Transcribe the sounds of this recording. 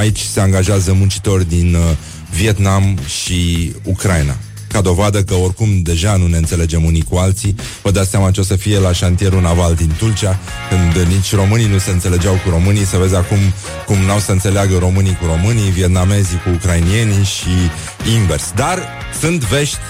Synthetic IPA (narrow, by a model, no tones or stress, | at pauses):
ait͡ʃʲse̞aŋɡaʒeazəmunt͡ʃi̥t̪o̞rʲd̪in | vie̞t̪namʃiukɾajna̰ | kad̪o̞vad̪əkəo̞rkumd̪e̞ʒanune̞ɨnt̪se̞le̞d͡ʒe̞munikualt̪si | vəd̪at̪seamat͡ʃeo̞səfije̞laʃant̪ije̞ɾunavald̪int̪ult͡ʃia | kɨnd̪nit͡ʃʲro̞mɨninuse̞ɨnse̞le̞d͡ʒawkuɾo̞mɨnijsəve̞zʲakum | kumnawsəɨnse̞leaɡəɾo̞mɨnikuɾo̞mɨnijvie̞t̪̚name̞zikuːkɾainie̞niʃi | imve̞rsd̪ar | sɨnt̪ve̞ʃt̪ʲ